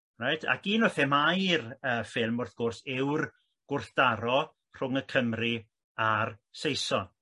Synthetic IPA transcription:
rajtʰa̰ɡiːnɔθɛmajrəːfɪlˠmʊrθɡ̥ʊrsɪwr | ɡ̥ʊrθd̥aɾɔ | r̥ʊŋəkʰəmri | arsejsɔn

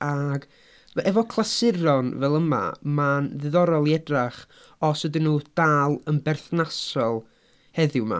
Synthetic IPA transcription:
aɡ̥ | ɛvɔkʰlˠasɪɾɔnvɛlˠəma̰manðɨðɔɾɔlˠiɛdraχ | ɔswədɪnːuːd̥aːlˠənbɛrθnasɔlˠ | hɛðɪwma̰

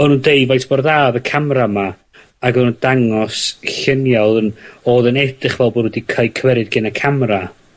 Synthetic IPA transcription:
ɔnuːndejvajtʰb̥ɔrðaːðəkʰamrama | aɡənundaŋɔsɬɪnjaðənoːðənɛd̥ɨχvɛlˠbɔɾwɪdikʰajkʰwɛɾɨd̚ɡɪnakʰamra

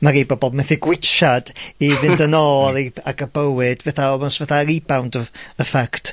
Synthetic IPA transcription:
maɾibɔbɔbmɛθiɡwɪt͡ʃad̥iðɪndənɔːlˠaliaɡəbəwɨd̥vɛθaɔmɔsvɛθaɾibawndəəfakʰtʰ

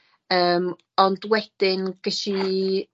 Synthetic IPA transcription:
əːm | ɔndwɛd̥ɪnɡ̥əɬi

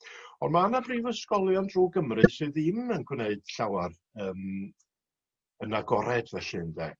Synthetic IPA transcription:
ɔnmaanabriːvəskɔlˠjɔndruːɡəmrɨsɨːðimənɡwneɨd̥ɬawar | əːm | ənaɡɔɾɛdvɛɬɨnðɛ̰ː

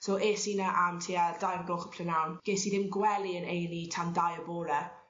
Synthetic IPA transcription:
soːʔeːsinaʔamtʰiːad̥ajrɡoːχə̥pʰlənawnɡ̥eːsiðɪmɡwɛlˠiənejnitʰandajəboːlɛ

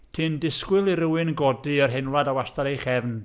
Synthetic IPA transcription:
tʰɨndɪskwɪlˠiɾɪwɨnɡɔdɨərɦɛnlˠadawastaɾejχɛvn

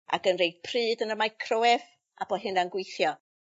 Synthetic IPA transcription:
a̰ɡənrejd̥̚pʰrɨːdənəmajkʰrowɛv | aboɦɨnanɡwejθjɔ

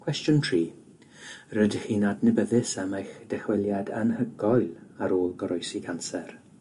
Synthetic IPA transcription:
kʰwɛstjʊntʰriː | rədhiːnadnɪbəðɪsamajxd̥ɛxwɪlˠjadənhəɡɔjlˠaɾoːlˠɡɔɾɔjsɪɡʰansɛr

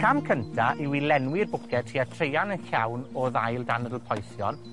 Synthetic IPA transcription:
kʰamkʰəntʰaʔiwilɛnwɪrbʊkʰɛtʰiatʰrejanənɬawnoːðajlˠdanədəlˠpʰɔjsjɔ̰n

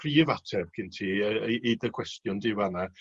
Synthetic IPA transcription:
pʰriːvatʰɛb̥kʰɪntʰiːəidəkʰw̥ɛstjʊndɪwana

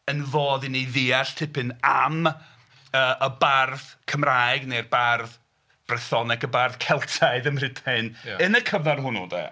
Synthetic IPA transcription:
ənvoːðɪnejðiːaɬtʰɪpɨnam | əːʔəbarðkʰəmraːjɡnejrbarð | b̥rɛθɔnɛkəbarðkʰɛlˠtʰaɨðəmrɪtʰɛnənəkʰəvarɦʊnudḛ

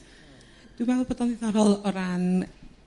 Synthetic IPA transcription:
t̪umaupət̪ɔnit̪aɾɔloɾan

